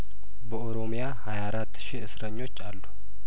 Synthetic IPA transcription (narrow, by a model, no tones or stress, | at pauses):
bəʔoɾo̞mijahajaɾat̪ːʃiɨsɾəɲːo̞t͡ʃːalːu̥